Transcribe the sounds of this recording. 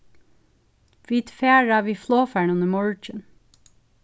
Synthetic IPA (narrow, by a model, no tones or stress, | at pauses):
ʋit̪feːɹɑʋiːfloːfæɳʉnəmɔɹt͡ʃən